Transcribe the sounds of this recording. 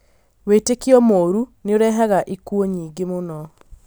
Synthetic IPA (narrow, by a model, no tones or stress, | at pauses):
weːtekiɔmoːɾuneoɾɛɦaɣaʔikuoɲiːŋɡemonɔ